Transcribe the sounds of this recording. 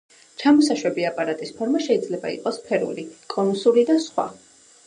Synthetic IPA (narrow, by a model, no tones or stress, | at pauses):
t͡ʃʰamɔsaʃwɛbiapʼaɾat̪ʼispʰɔɾmaʃɛid̪zlɛba̰ḭqʼɔspʰɛɾṵlikʼɔnusulid̪asχwa̰